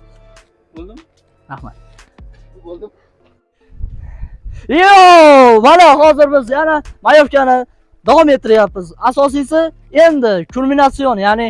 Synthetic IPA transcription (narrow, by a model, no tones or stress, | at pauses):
lˠd̪ɪ | ɾahma̰t̪ | olˠ | omanahɒzɪɾbɪzjanamajɒfkʲanɪ | d̪avɒme̞t̪ʰːɪɾɪjapːɪzasɒs̬ijsɪ | e̞nd̪ɪkʰʊɾmɪnat̪sionjaːnɪ